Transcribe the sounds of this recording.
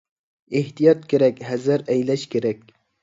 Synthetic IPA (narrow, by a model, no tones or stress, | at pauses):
eht̪ijɒt̪kʲʰeɾækʲhæzɨɾæjlaʃkʲʰeɾækʲ